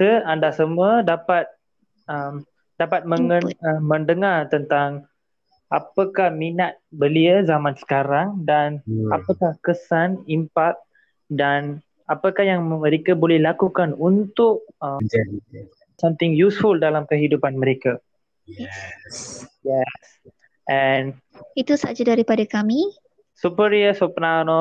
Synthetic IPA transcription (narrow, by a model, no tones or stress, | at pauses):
səandasamuədapat̪̚ | əm | dapat̪̚məŋəəːə̃ndəŋart̪ənt̪aŋ | apəkahminat̪̚bəliəzamãnsə̥kaɾaŋdanapəkahkəsanimpak̚ | dan | apəkahjaŋmə̃ɾekabolɛhlakukanunt̪ʊʔ̚ə | samt̪ɪŋjusfuldalamkəɦidupanməɾeka | sjɛs | ʔɛn | it̪usa̰d͡ʒadaɾipadakami | supəɾiəsɔpənanɔ